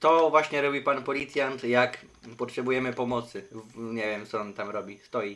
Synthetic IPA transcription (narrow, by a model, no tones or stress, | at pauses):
t̪ɔvwaɕɲɛɾɔbʲipanpɔlʲit̪sʲjant̪jakpɔtʂɛbujɛmɘpɔmɔt̪sɘɲevʲjɛmt̪sɔɔnt̪amɾɔbʲist̪ɔji